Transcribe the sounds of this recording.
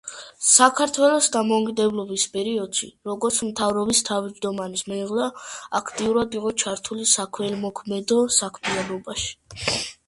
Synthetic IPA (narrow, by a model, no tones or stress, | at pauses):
sakʰaɾt̪ʰwɛlˠɔsd̪amɔukʼid̪ɛblɔbispʼɛɾiɔd̪̥ʃḭɾɔɡɔɾt̪sʰmt̪ʰavɾɔbist̪ʰavid͡ʒd̪ɔmanismɛʁlaakʰt̪ʼiuɾad̪iqʼɔt͡ʃʰaɾt̪ʰulisakʰɛlmɔkʰmɛd̪ɔsakʰmɛanɔbaʃi̥